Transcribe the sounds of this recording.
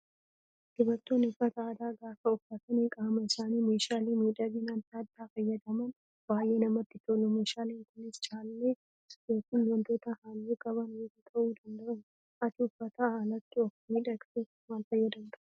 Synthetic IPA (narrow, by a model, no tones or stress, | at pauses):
ɡɪbɐt̪ːoːnʊfːɐt̪ɐːd̪aːɡaːfɐʊfɐt̪ɐnekʼaːmɐɪsaːniːmeːʃaːliːmiːᶑɐbiːnant̪aːd̪ːaːfɐjːɐd̪ɐmɐn | b̥aːjʔe̞ːnɐmɐt̪ːɪt̪oːlɔmeːʃaːleːŋkʊnɪst͡ʃʼaːlːeː | soːkiːnwɐnt̪o̞ːt̪ɐhaːlːeːkʼɐβɐnwed̪ɪk̪ʼɐʔuːd̪ɐnd̪ɐɐn | ʔɐt̪ɪʊfːɐt̪ahaːlɐt̪ːɪɔkmiːᶑɐkse | maːlfɐjːɐd̪ɐnd̪ɐʔ